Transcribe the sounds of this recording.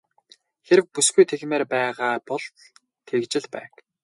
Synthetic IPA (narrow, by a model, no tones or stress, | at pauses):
xeɾɘ̆k̚pusɡujt̪ʰeɣmeːrpæːʁaːpɔɮt̪ | t̪ʰekt͡ɕɪ̆ɮpæ̰ːk